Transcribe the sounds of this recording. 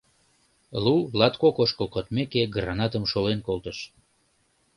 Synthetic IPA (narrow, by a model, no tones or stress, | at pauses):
lulɑt̪kokoʃkəlkot̪mekeɡrɑnɑt̪əmʃolenkolˠt̪əʃ